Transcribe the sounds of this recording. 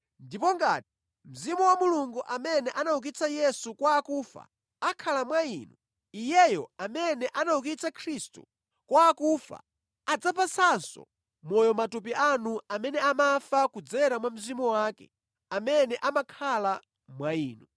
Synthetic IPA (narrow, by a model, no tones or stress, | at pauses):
ndipɔŋɡa̰ːti̥ | m̩zimɔwamuluŋɡuʔamɛnɛʔanauk̬it͡sʰajɛsukwaːkuːfa̰ | akʰalamwaiːnu | ijɛjɔamɛnɛʔanauk̬it͡sʰakʰɾistṵ | kwaːkuːfa̰ | ad͡zapʰasansɔ̰ | mɔjɔmatup̬ianuamɛnɛamafakud͡zɛɾamwam̩zimɔwaːkɛ̰ | amɛnɛʔamakʰala | mwaiːnu